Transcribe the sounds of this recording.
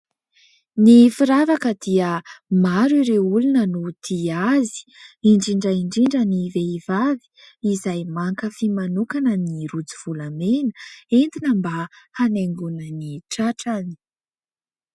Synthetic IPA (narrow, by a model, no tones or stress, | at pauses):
nifiɾavakəd̪iəmaɾiɾeulunənud̪̥iazi̥iɳɖ͡ʐiɳɖ͡ʐəiɳɖ͡ʐiɳɖ͡ʐəniveivavi̥ː | zajmaŋkəfimanukanəniɾud͡ziv̥ulamenəend̪inəmbahaneŋɡunəniʈ͡ʂaʈ͡ʂani̥